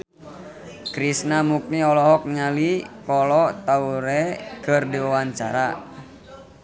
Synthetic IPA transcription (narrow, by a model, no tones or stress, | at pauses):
kɾisnamuk̚niɔlɔɦɔk̚ɲalikɔlɔt̪auɾɛkərdiwawaɲt͡ʃa̰ɾa